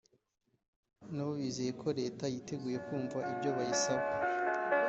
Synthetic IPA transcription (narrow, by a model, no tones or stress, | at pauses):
naβoβiːzejekʰo̞ɾe̞ːtajite̞ɡuːje̞kuːɱvaʔibɟo̞βajisabɡa